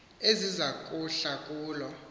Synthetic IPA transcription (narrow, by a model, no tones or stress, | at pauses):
ezizakʼuɬakʼuːlɔ